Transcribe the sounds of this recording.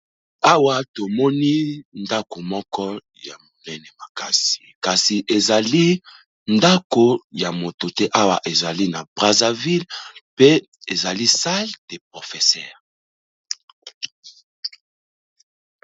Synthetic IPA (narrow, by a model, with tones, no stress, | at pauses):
a˦wa˨to˨mɔ˦ni˦nda˦ko˨mɔ˦kɔ˦ | ja˨mo˨nɛ˦nɛ˨ma˨ka˦si̥˨ka˨si˨ʔe˨za˨li˦ | nda˦ko˨ja˨mo˨to˨tɛ˦ʔa˦wa˨ʔe˨za˨li˦na˨bʁa˨za˨vi˦lpe˦ | e˨za˨li˦sa˦ld̥e˨p̚ʁo˨fɛ˨sɛː˦˨ʁ